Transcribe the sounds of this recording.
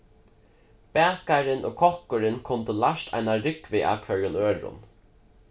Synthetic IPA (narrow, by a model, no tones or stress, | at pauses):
b̥æːkaɾɪnʔo̰ːkʰɔhkʊɾɪnkʰʊnt̪əlaʃt̪ʰa̰ɪnaɾʏkʋɪʔa̰ːkʰvœɹjʊnøːɹʊ̰n